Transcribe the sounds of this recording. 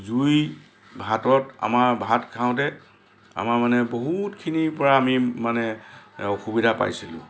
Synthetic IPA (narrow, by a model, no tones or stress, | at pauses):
zuj | bʱatɔta̰maɹbʱatkʰaʊ̃tɛ | a̰maɹmanɛboɦutkʰinipɔɹaːmimanɛɔxubidʱapa̰jsilʊ̰̃